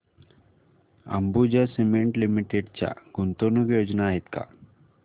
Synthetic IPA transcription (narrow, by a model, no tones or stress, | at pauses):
ə̰mbud͡ʑasimeɳʈlimiʈeɖt͡ɕja̰ɡunt̪onukjod͡ʑnaːɦet̪ka̰